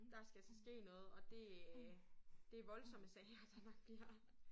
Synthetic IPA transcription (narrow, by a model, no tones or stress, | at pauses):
d̥ɑ̈sɡ̥æsɒsɡ̥e̝̰ːnɔ̽ːð̞̩ˠɒ̽d̥e̝ | d̥e̝ʋɒ̽lsɒ̽məsɛɪɐd̥ɑ̈nɒ̽ɡ̥̚b̥liɐ̰